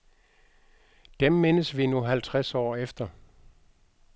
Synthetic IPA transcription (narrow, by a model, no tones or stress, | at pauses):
d̥emːenəsʋinuɦælt͡sʰʁasɒ̰ːefd̥ɐ